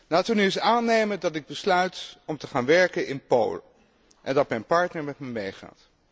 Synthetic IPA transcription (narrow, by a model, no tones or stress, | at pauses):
laːtʋənyɪsaːnejməndɑtɪɡ̚bəslœɥtɔmtəχaːnʋɛɹkənɪnpo̰wlə | ʔɛndɑtmɛjnpɑɹtnəɹmɛtmɛmejχa̰ːt